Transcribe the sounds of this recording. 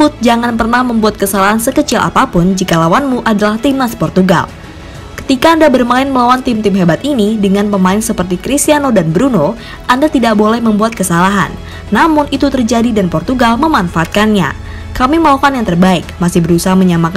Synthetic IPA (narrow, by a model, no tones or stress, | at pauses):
ʊt̪̚d͡ʒaŋanpərnahməmbuat̪̚kəsalaɦansəkət͡ʃɪla̰papʊnd͡ʒikalawanmuʔadalaht̪imaspɔrt̪uɡa̰l | kə̥t̪ikaːndabərmaɪnməlawant̪ɪmt̪ɪmɦebat̪inidəŋanpəmaɪnsəpərt̪ikɾist̪ianodanbɾuno | ʔandat̪idaʔbolɛhməmbuat̪̚kəsalaɦa̰nː | amʊnʔit̪ut̪ərd͡ʒadidanpɔrt̪uɡalməmanfaʔat̪̚kanɲa̰ | kamiməlaukanjaŋt̪ərbaɪkmasɪhbəɾusaɦaməɲamak